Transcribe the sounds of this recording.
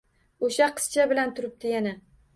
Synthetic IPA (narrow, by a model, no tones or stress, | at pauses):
oʃaqʰɨ̥st͡ʃʰabɪlant̪ʰʊɾɪp̚d̪ɪjana